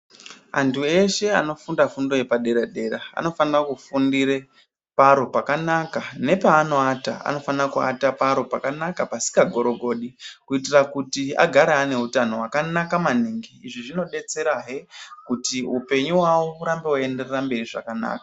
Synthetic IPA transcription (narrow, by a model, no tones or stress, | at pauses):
a̰ntʰue̞ʃe̞a̰no̞fundafundo̞je̞paɗe̞ɾaɗe̞ɾaa̰no̞fanirakufundiɾe | paɾo̞pakanakane̞paːno̞ataa̰no̞fanirakua̰tapaɾo̞pakanakapasi̥kaɡʱo̞ɾo̞ɡʱo̞ːɗikuit̬irakutia̰ɡʱaɾaːne̞utano̞wakanakamaniːŋɡiiʐiʐino̞ɗe̞t͡se̞ɾaɦekutiupe̞ɲuwawouɾambe̞wue̞nde̞rerambe̞riʐa̰kana̰ːka